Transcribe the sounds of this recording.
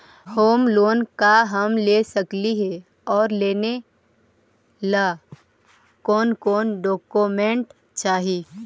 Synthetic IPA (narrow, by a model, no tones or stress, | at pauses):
hoːmloːnkaɦɐmlesəkliɦe | ɔːɾleːne | la | kɔːnkɔːnɖɔːkomẽɳʈ | t͡ʃaːɦiː